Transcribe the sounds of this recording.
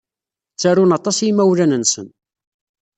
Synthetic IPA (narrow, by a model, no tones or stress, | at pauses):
t͡sːæɾunɑt̪ˤɑsjimæwlænənsə̰n